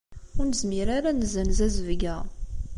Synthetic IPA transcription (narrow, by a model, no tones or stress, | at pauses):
ʊɾnəzmiɾaɾanəzənzæzəvɡæ